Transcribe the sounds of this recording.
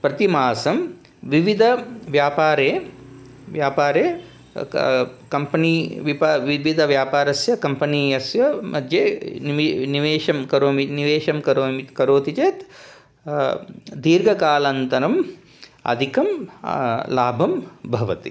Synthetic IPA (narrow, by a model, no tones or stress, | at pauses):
pɾɐt̪imaːsɐm | ʋiʋid̪ʱɐʋjaːpaːɾeː | ʋjaːpaːɾeː | kɐmpɐniːʋipaʋiʋid̪ʱɐʋjaːpaːɾɐsjɐkɐmpɐniːjɐsjɐmɐd̪ʱjeːniʋniʋeːʃɐmkɐɾoːminiʋeːʃɐmkɐɾoːikɐɾoːt̪it͡ʃeːt̪ | d̪iːɾɡʱɐkaːlɐnt̪ɐɾɐm | ɐ̰d̪ʱikɐm | laːbʱɐmbʱɐʋɐt̪ḭ